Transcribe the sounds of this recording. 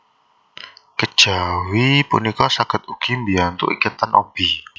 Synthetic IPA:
kə̥ʒ̥awipṵnikɔsakət̪̚ukimbiant̪ṵʔḭkət̪ːanʔɔ̰b̥i

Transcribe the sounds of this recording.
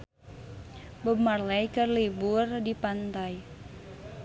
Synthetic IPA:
bəmarlɛjkərliburdipant̪aj

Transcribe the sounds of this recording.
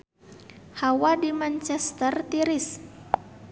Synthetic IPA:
hawadimant͡ʃɛst̪ərt̪iɾis

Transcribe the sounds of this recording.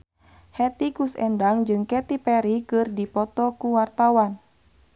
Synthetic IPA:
hɛt̪ikusɛndaŋd͡ʒɨŋkɛt̪ipɛɾikɨrdipɔt̪ɔkuwart̪awan

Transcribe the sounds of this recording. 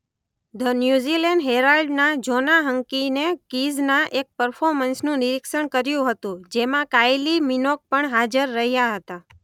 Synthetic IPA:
d̪ənjuzileɳɖɦeɾalɖnad͡ʒonaɦəŋkinekiznaʔek̚pəɾfʰoɾmənsnũnɪɾɪkʃəɳkəɾjũɦət̪ũd͡ʒemãkajliminok̚pəɳɦad͡ʒəɾːəɦjaɦət̪a

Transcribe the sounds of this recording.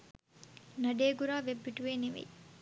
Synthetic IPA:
nɐɖeːɡuɾaːʋebːiʈuʋeːniʋḛj

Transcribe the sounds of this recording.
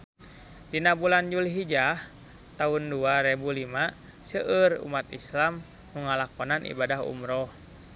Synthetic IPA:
dinabuland͡ʒuliɦid͡ʒah | t̪aɦunduaɾɛbulima | səʔərṵmat̪ḭslamː | uŋalakɔnanʔḭbadaɦṵmɾɔh

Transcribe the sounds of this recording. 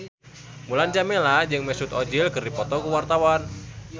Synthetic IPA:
muland͡ʒamɛlad͡ʒɨŋmɛsut̪ɔd͡ʒilkɨrdipɔt̪ɔkuwart̪awan

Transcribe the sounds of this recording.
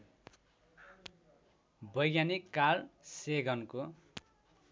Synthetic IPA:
bʌjɡjanikːalseɡʱʌnko

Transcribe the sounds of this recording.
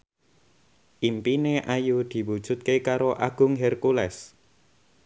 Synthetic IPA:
ʔimpineʔajud̪̥i̤wud̥ʒ̥ʊ̤t̪̚kekaɾoʔaɡ̥ʊŋɦɛrkulɛs

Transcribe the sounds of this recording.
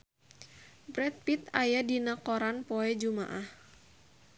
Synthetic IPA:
bɾɛt̪̚pit̪ajadinakɔɾanpɔɛd͡ʒuma̰ʔah

